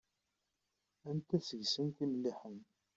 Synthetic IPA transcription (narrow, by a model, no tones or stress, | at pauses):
ænt̪æsəʝsənkiməlːiħəm